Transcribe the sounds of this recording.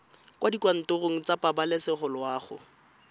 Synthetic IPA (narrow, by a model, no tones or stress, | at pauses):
kʼwʔadikwan̩tʊroŋ̩t͡sapabalɪsɪχʊlwaːχʊ̰